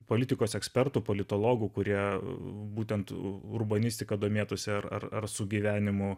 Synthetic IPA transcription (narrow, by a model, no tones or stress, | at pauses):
poːlʲɪt̪ʲɪkoːsɛksʲpʲɛrt̪uːpoːlʲɪt̪oːlˠoːɡʊkʊɾʲiɛbuːt̪ʲɛnt̪ʊɾbɐnʲɪsʲt̪ʲɪkɐd̪oːmʲeːt̪osʲɪɐɾɐ̰rɐ̰rsʊɡʲiːʋʲæːnʲɪmʊ